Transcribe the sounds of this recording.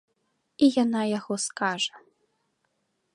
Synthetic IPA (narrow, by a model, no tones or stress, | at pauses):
ijanajaɣɔskaʐɐ